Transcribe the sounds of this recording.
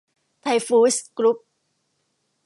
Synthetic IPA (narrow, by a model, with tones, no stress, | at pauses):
t̪ʰa˧jfuː˧˦skɾu˦˥p̚